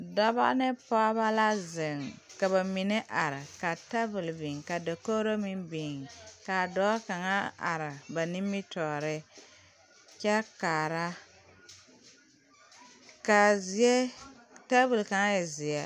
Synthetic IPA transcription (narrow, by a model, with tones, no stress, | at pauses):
da˦ba̰˦ʔnɨ˦pɔ˦ba˦la˦zɪ˨ŋka˨βa˨mi˨nɪ˦ʔa˨ɾɪ˨ka˨ta˦bɨ˨lbi˨ŋka˨da˨ko˦ɾo˦mi˦mbi˨ŋka˨dɔː˦ka˨ŋa˦a̰˨ɾɪ˨ba˨ni˦mːi˦tɔː˨ɾɪ˦ | kɛ˦kaː˨ɾa˦ | ka˨zi˨˦ɛ˦ | ta˦bɨ˨lka˨ŋa˦jɛ˨zɪ˨ɛ˨